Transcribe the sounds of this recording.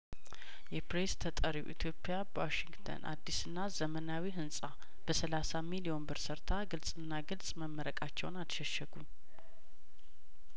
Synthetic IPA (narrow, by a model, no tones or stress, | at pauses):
jɛpɾest̪ʰət̪ʼəɾiwʔḭt̪ʰjo̞pʼːjabəwaʃiŋɡt̪ʰə̰nʔa̰d̪ːisɨnːazəmənawiɦɨnsʼa | b̥əsəlasamilio̞nbɨɾsəɾt̪ʰaɡɨlsʼɨnːaɡɨlsʼməmːəɾəkʼat͡ʃːɛ̰wnat̪ʃɛʃɛɡu